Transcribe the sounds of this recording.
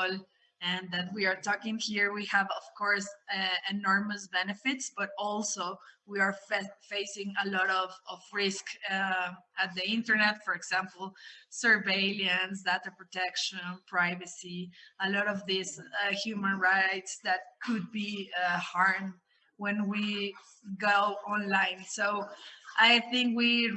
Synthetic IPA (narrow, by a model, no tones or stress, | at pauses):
l | ɨ̃nðæt̚wiaɹtɔkɪ̃ŋhiɹwihævɔv̥kʰɔɹsɨnɔɹməsbɛnɨfɪtsb̥ʌɾɔlsowiəɹfeɪsɪ̃ŋəlɔɾɔvɔvɹɪsk | æt̪̚ðiɪ̃ntəɹnɛt̪fɔɹɛɡzæ̃mpl̩ˠsə˞veɪljə̃nsd̪at̪ə˞pɹɔt̪ɛkʃə̃npʰɹaɪvəsiəlɔɾɔvðɪshjumə̃nɹaɪtsðæt̪̚kʰʊd̪̚bihɑɹm | wɛ̃nwi | ɡoʊɔ̃nlãɪ̃nsoʊʔajθɪ̃ŋkwi